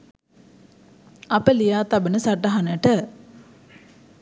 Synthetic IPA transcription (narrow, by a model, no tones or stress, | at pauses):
apəlijaːt̪abənəsaʈəɦanəʈə